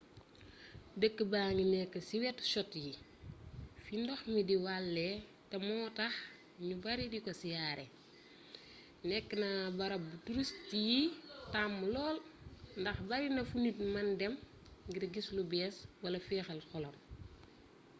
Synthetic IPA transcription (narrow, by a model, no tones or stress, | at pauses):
dəkːəbaːŋinɛkːəsiwɛtʃɔtji | findɔxmidiwalːɛ | tɐmɔːtɐx | ɲubɐɾidikɔsijaːɾɛ | nɛkːənɐbɐɾɐbutuɾustijitamːlɔːlndɐxbɐɾinɐfunitmɐndɛm | ɡiɾɡislubɛːswɐlɐfɛːxɐlxɔlɔm